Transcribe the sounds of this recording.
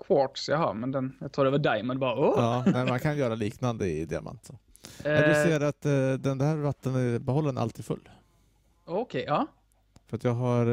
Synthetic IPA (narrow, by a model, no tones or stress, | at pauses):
kʰwɔʈsjaha̰ɾmɛnd̪ɛnjaɡt̪ɾuːdɛvɑɖaɪmənbɑːɾaoɑːɛɪmankʰanjœːɾaliːknand̪əɪ̰d̪ɪa̰mʔa̰nt̪sɔ | ɛd̪ɵseːɾat̪d̪ɛnd̪æːɾvat̪ːənæbɛɦɔlːənæɾa̰lt̪ʰiːd̪fɵ̰lː | ɔkʰɛɪɑː | fœɾat̪jɑːɡɦaɾ